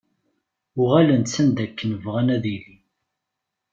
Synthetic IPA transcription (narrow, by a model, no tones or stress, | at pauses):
ʊʁælənt̪sænd̪ækːənəvʁænæðili